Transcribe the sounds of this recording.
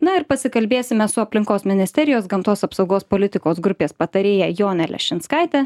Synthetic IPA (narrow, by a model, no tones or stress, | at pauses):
nɐɪɾpɐsʲɪkɐlʲbʲeːsʲɪmʲɛsʊɐpʲlʲɪŋkoːsmʲɪnʲɪsʲt̪ʲɛɾʲɪjoːsɡɐmt̪oːsɐpsɒʊɡoːspolʲɪt̪ʲɪkoːsɡɾʊpʲeːspɐt̪ɐɾʲeːjɛjoːnʲɛlʲɛ̰ʃʲɪnskɐɪt̪ʲɛ